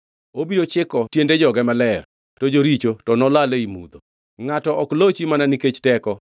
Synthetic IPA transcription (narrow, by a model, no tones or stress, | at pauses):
obidot͡ʃɪkɔtjended͡ʒɔɡɛmalɛr | tod͡ʒoɾit͡ʃotɔnɔlaleimṵd̪o | ŋatɔɔklot͡ʃimananiket͡ʃtɛkɔ